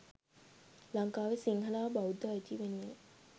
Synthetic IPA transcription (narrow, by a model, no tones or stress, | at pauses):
laŋkaːʋesiŋkəlaːbaud̪əːjt̪iʋenːe